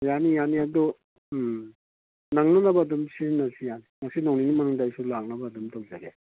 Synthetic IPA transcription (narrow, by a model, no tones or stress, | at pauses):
janijaniɐdu | naŋnɐnɐbɐːdumsinɐsijanimɐsinawninimɐnuŋdajsulaŋnɐbɐːdumtawzaɡe